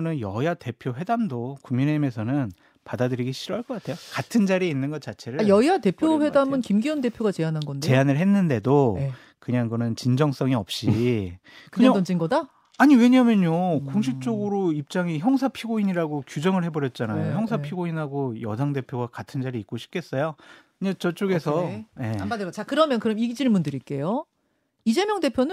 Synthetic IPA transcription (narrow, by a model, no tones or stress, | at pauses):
nɯnjʌjate̞pʰjoɸwe̞damdokuŋmine̞ɦime̞sʰʌnɯn | padadɯɾiɡiɕʰiɾoɦaɭk͈ʌk͈atʰe̞jokatʰɯnd͡ʑaɾiinːɯnɡʌt͡ɕ͈at͡ɕʰe̞ɾɯjʌjate̞pʰjowe̞damɯnkimɡiʌnde̞pʰjoɡat͡ɕe̞anɦanɡʌndt͡ɕee̞anɯɭɦe̞nːɯnde̞do | kɯɲaŋɡɯnɯnt͡ɕind͡ʑʌŋs͈ʌŋiʌp̚ɕ͈i | kɯɯɲaʌnd͡ʑinɡʌda | aɲiwe̞ɲamjʌnokoŋɕ̬ʰip̚t͡ɕ͈oɡɯɾoip̚t͡ɕ͈aŋiçjʌŋsʰapʰiɡoiɲiɾaɡokjud͡ʑʌŋɯɭɦe̞bʌɾjʌt̚t͡ɕ͈anajojʌŋsʰapʰiɡoinɦaɡojʌdaŋde̞pʰjoɡakatʰɯnd͡ʑaɾiːk͈oɕʰi̥p̚kʰe̞s͈ʌjo | ɲet͡ɕʌt͡ɕ͈oɡe̞sʰʌje̞madɯɡʌt͡ɕakɯɾʌmjʌnkɯɾʌmiɡid͡ʑiɭmundɯɾik͈e̞jo | id͡ʑe̞mjʌŋde̞pʰjonɯn